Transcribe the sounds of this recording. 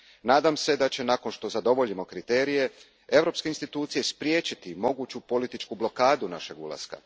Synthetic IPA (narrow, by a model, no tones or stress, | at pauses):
naːd̪amse̞d̪at͡ɕe̞nako̞nʃt̪o̞zad̪o̞ʋo̞ʎimo̞kɾit̪e̞ːɾije̞ | e̞ʋɾo̞pske̞inst̪it̪uːt̪sije̞spɾje̞ːt͡ɕit̪imo̞ɡuːt͡ɕupo̞lit̪it͡ʃkublo̞kaːd̪unaʃe̞ɡṵlˠa̰ska̰